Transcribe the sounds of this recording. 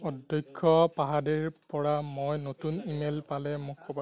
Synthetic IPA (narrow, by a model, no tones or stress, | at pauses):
ɔdɔjkʰːɔpaɦadeɹpɔɹamojnotunimelpalɛmʊkʰːoba